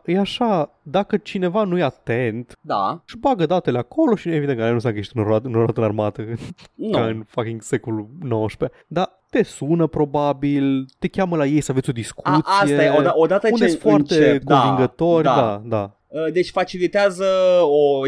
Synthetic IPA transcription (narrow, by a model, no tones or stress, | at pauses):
jeaʃad̪akət͡ʃine̞vanujeat̪e̞nt̪d̪a̰ʃbaɡəd̪at̪e̞leakʰo̞lo̞ʃie̞vid̪enkanusmakəjeʃt̪ɨnaɨnoɾat̪əɨnarmat̪ənkaɨnfakʲiŋɡsekolunowəʃpe | d̪a | t̪e̞sunəpɾo̞babilt̪e̞kʲaməlajejsəavesʲod̪iskʰut̪sijeoaod̪at̪əuesfoart̪ek̪onaviŋɡət̪o̞rʲddd̪ad̪a | əd̪e̞t͡ʃʲfat͡ʃilit̪eazəo